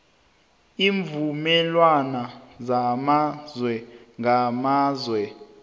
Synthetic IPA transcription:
iːɱvumɛlwanazamazwɛŋɡamaːzwɛ

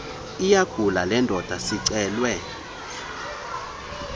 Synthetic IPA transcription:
ijaɡ̥ʱulalɛndʱɔd̥ʱasiǀɛːlwɛ

